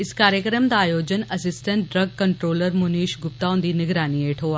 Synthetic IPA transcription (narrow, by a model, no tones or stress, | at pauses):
ɪskaːɾjəkɾəmd̪aːjoːd͡ʒənɐsɪsʈə̃ɳʈ̚ɖɾɐɡ̚kɐɳʈɾoːləɾmʊniːʃɡʊp̚t̪aːʊ̃nd̪inɪɡɾaːnieːʈʰɦoːa